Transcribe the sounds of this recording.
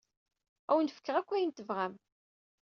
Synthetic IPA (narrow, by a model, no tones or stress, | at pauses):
æwnfə̥kːəʁækʷːæjənt̪əvʁæm